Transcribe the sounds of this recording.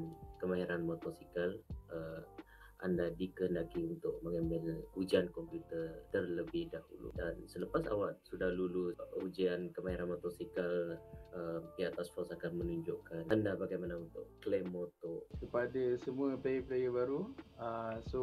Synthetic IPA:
nkəmaɦiɾanmɔt̪ɔsikalə | ʔa̰ndadikəəndakiunt̪ʊʔmaŋɛmbɛlud͡ʒiankɔmpjut̪ərt̪ərləbɪhdahṵlṵdansələpasa̰waʔsudahluluud͡ʒiankəmaɦiɾanmɔt̪ɔsikaləmpiaʔt̪asfɔrsakanmənuɲd͡ʒʊʔkanandabaɡajmanaunt̪ʊ̰ʔklemːɔt̪ɔsəpadəsəmuəplajəpəlajəbaɾuəso

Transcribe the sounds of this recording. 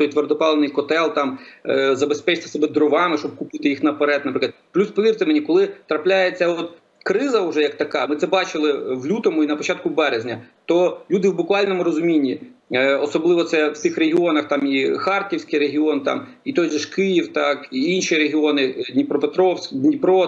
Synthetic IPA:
t̪ɔjt̪ʋerd̪ɔpɑlˠenɪjkɔt̪ɛlˠt̪ɑmzɐbespɛt͡ʃɪt̪ɪ̥sɔbɛd̪ɾɔʋɑmɪʃt͡ʃɔb̚kʊpɪt̪ɪjixnɐpɐɾɛt̪nɐpɾɪk̪ɐd̪plʲuspɔʋʲirt̪ɪmenʲikɔlˠɪt̪ɾɐplʲajet͡sʲːɐɔt̪ | kɾɪzɐʊʒɛjɐk̚t̪ɐkɑmɪt̪sɛbɑt͡ʃɪlˠɪʋlʲut̪ɔmʊinɐpɔt͡ʃɑt̪̚kʊbɛɾezʲnʲɐt̪ɔlʲud̪ɪwbʊkʋɑlʲnɔmʊɾɔzʊmʲinʲːiɔsɔblˠɪʋɔt̪sɛwt̪ɪxreɦʲɪɔnɐxt̪ɑmixɑrtʲiwsʲkɪjɾeɦʲiɔnt̪ɑ̰m | it̪ɔjʒɪʃkɪjiwt̪ɑkiinʃiɾeɦʲiɔnɪd̪ʲnʲipɾɔpet̪ɾɔwsʲd̪ʲnʲipɾɔ

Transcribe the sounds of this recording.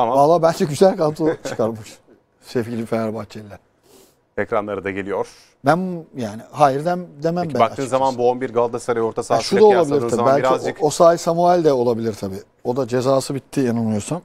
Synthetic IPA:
mbalˠːaːbælʲd͡ʒɛɟyzælʲkʰant̪ʰut͡ʃʰɯ̥kʰaɾmɯʃ | sefɟʲilʲifeæɾbat̪t͡ʃʰelʲːɛ | ecɾanlˠaɾɯd̪aɟe̞lʲijoɾ̥ | bænjaːnihaːjiɾd̪æmd̪emæmbæak̪aɯːnzamanbuonbiɾɡalˠd̪asaɾajoɾt̪ʰasaʃud̪aolˠabilʲiɾʰaiælʲɾosaːjsamualʲd̪ɛo̞lˠabilʲiɾt̪ʰabiː | o̞d̪ad͡ʒe̞zaːsɯbit̪ʰːijanɯnɯjoɾsam

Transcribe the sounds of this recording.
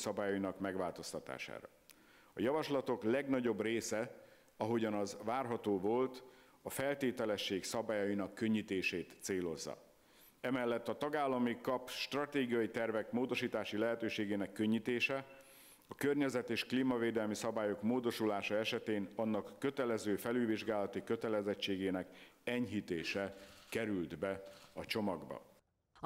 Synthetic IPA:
sɒbaːjɒinɒkmɛɡvaːlt̪o̞st̪ɒt̪a̰ːʃa̰ːɾɒ̰ | ɒ̰jɒvɒʃlɒt̪o̞klɛɡnɒɟo̞breːsɛ | ɒɦo̞ɟɒnɒzvaːrɦɒt̪oːvo̞lt̪ | ɒfɛlt̪eːt̪ɛlɛʃːeːksɒbaːjɒjinɒkːø̞ɲːit̪eːʃeːt̪seːlo̞zːɒ̰ | ɛmɛlːɛt̪ːɒt̪ɒɡaːlːɒmikɒpʃt̪rɒt̪eːɡijɒjit̪ɛrvɛkmoːd̪o̞ʃiːt̪aːʃilɛɦɛt̪øːʃeːɡeːnɛkːø̞ɲːit̪eːʃɛ | ɒkørɲɛzɛt̪eːʃkliːmɒveːd̪ɛlmisɒbaːjo̞kmoːd̪o̞ʃulaːʃɒɛʃɛt̪eːnɒnːɒkːø̞t̪ɛlɛzøːfɛlylviʒɡaːlɒt̪ikø̞t̪ɛlɛzɛt͡ʃːeːɡeːnɛkɛɲɦit̪eːʃɛkɛɾyld̪bɛɒt͡ʃo̞mɒɡbɒ̰

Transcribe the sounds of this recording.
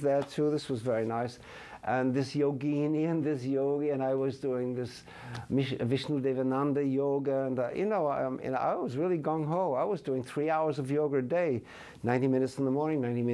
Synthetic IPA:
ðə˞tʰuðɪswʌzvɛɹinaɪs | ʔə̃nðɪsjoʊɡĩniɨ̃nðɪsjoʊɡiɨ̃naɪwʌzduɪ̃ŋðɪs | mɪʃəvɪʃnl̩ˠdeɪvənãndɨjoʊɡəə̃njʔɨ̰noʊɪ̰̃na̰ɪwʌzɹɪlˠiɡɔ̃ŋɦõʊmaɪwʌzduɪ̃ŋθɹiaʊə˞zʌvjoʊɡə˞deɪ | nãɪ̃ntimɪ̃nɨtsn̩ðəmɔɹnɪ̃ŋnãɪ̃ntimɪ̃

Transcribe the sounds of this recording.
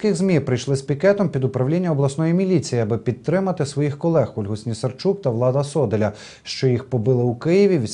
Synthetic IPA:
kɪɣzmʲipɾɪjʃlˠɪspʲikɛt̪ɔmpʲid̪ʊpɾɐʋlʲinʲːɐɔblˠɐsnɔjimʲilʲit͡sʲijɪɐbɪpʲid̪t̪ːɾɪmɐt̪ɪsʋɔjixkɔlˠɛxɔlʲɦʊsʲnʲisɐrt͡ʃukt̪ɐʋlˠɑd̪ɐsɔd̪elʲɐ | ʃt͡ʃɔjixpɔbɪlˠɪukɪjɪʋʲiʋʲ

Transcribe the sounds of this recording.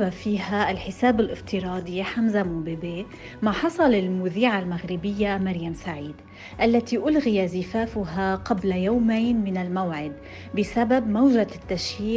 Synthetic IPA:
bafiːhaʔɪlħɪsaːbɪlʔɪft̪ɪɾɑːd̪ˤjħamzamubɪbeː | maħɑsˤɑlɪlmʊðiːʕalmaɣɾɪbɪjːamaɾjamsaʕiːd̪ | ʔalːat̪iʔʊlɣɪjazɪfaːfʊɦaqablajawmajnmɪnɪlmawʕɪd̪ | bɪsababmawʒat̪ːaʃjiː

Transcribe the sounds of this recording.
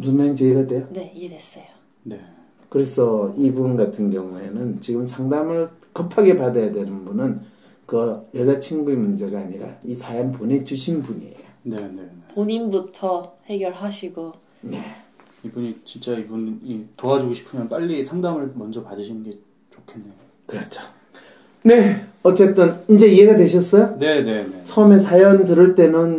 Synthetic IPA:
mumant͡ɕeiɡadwe̞jone̞iedwes͈ʌjo | ne̞ | kɯɾe̞sʰʌibunɡatʰɯnɡjʌŋue̞nɯnt͡ɕiɡɯmsʰaŋdamɯɭkʌpʰaɡe̞padajadenɯnbunɯn | kɯjʌd͡ʑat͡ɕʰinɡuemund͡ʑe̞ɡaːɲiɾa̰isʰajampone̞d͡ʑuɕʰinbuɲḭḛjonenenepoɲinbutʰʌhe̞ɡjʌɭɦaɕʰiɡo | ne̞ | ibuɲit͡ɕint͡ɕ͈aibunitoad͡ʑuɡoɕʰi̥pʰɯmjʌnp͈aʎːisʰaŋdaŋɯɭmʌnd͡ʑʌpadɯɕʰinɯnɡe̞ | t͡ɕokʰenːejo | kɯɾʌt͡ɕʰo̥ | ne̞ʌt͡ɕ͈e̞t͈ɯnind͡ʑe̞ie̞ɡadwe̞ɕʰʌs͈ʌjone̞ne̞net͡ɕʰʌɯme̞sʰajʌndɯɾɯɭt͈e̞nɯn

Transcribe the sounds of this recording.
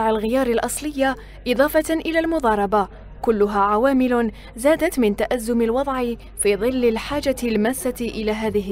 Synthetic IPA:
ʕalɣɪjɑːɾˤɪlʔɑsˤlɪjːa | ʔɨd̪ˤɑːfɑt̪ʔɪlaːlmʊd̪ˤɑːɾˤɑba | kʊlːʊɦaːʕawaːmɪlʊ | zaːd̪at̪mɪnt̪aʔazːʊmɪlwɑd̪ˤʕɪ | fiːðˤɨlːɪlħaːd͡ʒalmasːaʔɪlaːɦaːðɪɦ

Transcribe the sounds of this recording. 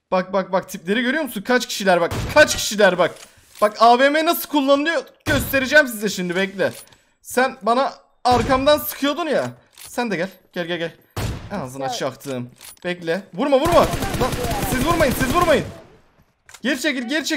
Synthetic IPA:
b̥ak̚bak̚bak̚t̪ʰiplʲe̞ɾiɟøɾyjo̞musunkʰat͡ʃcʰi̥ʃilʲæɾbak̚kʰat͡ʃcʰi̥ʃilʲæɾbak | b̥akaːveːmenasɯlˠkʰulˠːanɯnɯjo | ɟø̞st̪ʰe̞ɾid͡ʒɛːms̬izɛʃimd̪ibɛclʲɪ | sænbanaː | ɾkʰamd̪ansɯ̥kʰɯjo̞d̪unja | sænd̪ɛɟælʲɟ̥ælʲɟɛlɟʲɛlʲ | ɛnazɯnat͡ʃʰakt̪ʰɯːmb̥ɛclʲɛbuɾmabuɾmazasizvuɾmajɯnsizvuɾmajɯn | ɟ̥eɾit͡ʃʰecilʲɟeɾit͡ʃʰɛ

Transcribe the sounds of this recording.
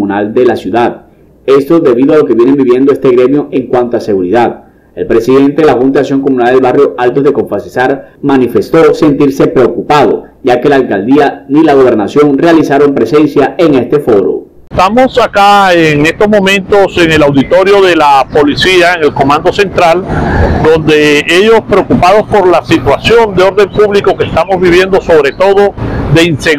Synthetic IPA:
munald̪e̞lasjuðað | e̞st̪o̞ðe̞βiðoalo̞keβjene̞mbiβje̞nd̪oe̞st̪e̞ɣɾe̞mjoʔe̞ŋkwant̪oase̞ɣuɾiðað | e̞̰lpɾe̞siðe̞nt̪eðelaxunt̪aaks̬jo̞ŋko̞mũnald̪e̞lβarjo̞ʔalt̪o̞zðe̞ko̞ɱfasisaɾmanife̞st̪o̞se̞nt̪iɾse̞pɾe̞okupaðo̞̰ | ɟ͡ʝakelaːlkald̪ianilaɣ̞o̞β̞e̞ɾnasjo̞ŋrealisaɾo̞mpɾe̞se̞nsjaeŋe̞st̪e̞fo̞ɾo̰ | t̪amo̞sakaeŋe̞st̪o̞zmõ̞mẽ̞nt̪o̞se̞ŋelawðit̪o̞ɾjo̞ðe̞lapo̞lisiaeŋe̞lko̞mãnd̪o̞se̞nt̪ɾald̪õ̞nd̪e̞eʝo̞spɾeokupað̞ospo̞ɾlasit̪wasjo̞nd̪eo̞ɾðe̞mpuβliko̞kest̪amo̞zβiβje̞nd̪o̞so̞βɾe̞t̪o̞ðo̞ðe̞inse

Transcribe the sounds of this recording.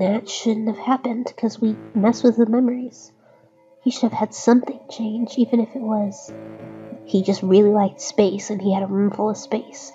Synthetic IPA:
ðɨtʃʊdⁿn̩thɨv̥hæpɨ̃nd̥kʰʌzwimɛswɨðɨmɛmə˞iz̥ | hiʃʊɾɨv̥ɨd̥sʌ̃mθɪ̃ŋt͡ʃʰẽɪ̃nd͡ʒdivɨ̃nɨfɨt̚wʌz̥ | hid͡ʒʌst̚ɹɪlˠilaɪk̚tspeɪsɨ̃niɨɾəmʌ̃ɱfʊlˠʌ̥speɪs

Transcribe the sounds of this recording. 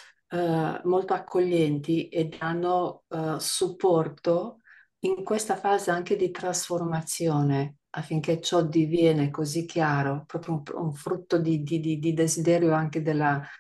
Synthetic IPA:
molt̪oakʰːoʎːɛnt̪iʔed̪anːo | supːɔrt̪o | iŋkwest̪afaːzeaŋk̟ed̪it̪ɾasformat̪sːjoːne | afːiŋk̟et͡ʃɔd̪ivjɛːnekozik̟ːjaːɾopɾɔːpɾjoṵuɱfɾut̪ːod̪id̪id̪id̪id̪ezid̪ɛːɾjoaŋk̟ed̪elːa

